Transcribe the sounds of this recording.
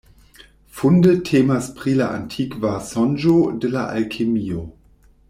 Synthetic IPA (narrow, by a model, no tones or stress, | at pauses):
fundətʰeːmaspʁilaʔa̰ntʰikvasɔnd͡ʒodəlaʔa̰lkʰemio